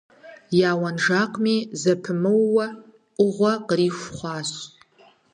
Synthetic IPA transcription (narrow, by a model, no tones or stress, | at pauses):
jaːwɐnʐaːqʷʼmiːzɐpʰɨmɨwːɐ | ʊʁʷɐqriːʃʷχʷɑːɕ